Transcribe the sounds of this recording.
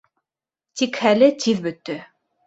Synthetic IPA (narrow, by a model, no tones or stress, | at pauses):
t̪ikhælɘt̪ʰiðbɵ̆t̪ːɵ